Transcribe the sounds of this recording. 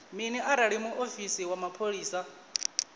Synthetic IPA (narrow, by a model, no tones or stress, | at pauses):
miniʔaɾaɺimuʔofisiwamapʰoɺiːsa